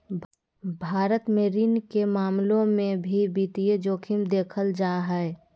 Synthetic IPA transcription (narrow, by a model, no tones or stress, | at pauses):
bʱaːɾət̪meːɾiːnkemaːmlõmẽbʱibiːt̪ijed͡ʒoːkʰɪmd̪eːkʰəld͡ʒaːɦɛɛ